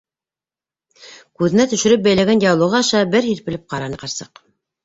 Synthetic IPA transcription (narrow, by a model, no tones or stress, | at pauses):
kʉðɘ̆næt̪ɵ̆ʃɘ̆ɾɘp̚bæjlæɡænd̪ʲiɑwlˠŏʁɑɑʃɑbɘɾhiɾpɘ̆lɘp̚qɑɾɑnɤqɑɾsɤ̰q